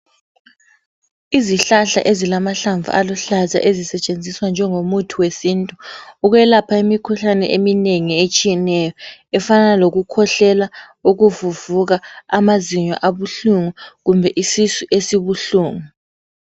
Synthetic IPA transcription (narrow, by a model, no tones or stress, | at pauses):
iziɬaɬa̰ʔezilamaɬaɱvṵʔalɔɬaza̰ʔezisɛt͡ʃʼend͡zʱiswand͡ʒʱɛŋomutʰuwesintʼuuɣwɛlapʰaimikʰuɬanɛ̰ʔemineŋiet͡ʃʼijɛnɛjɔɛfanaloɣukʰɔɬɛla | uɣuvuvuɣaamaziɲwa̰ʔaβuɬuŋuɣumbʱɛʔisisuʔesiβuɬuːŋu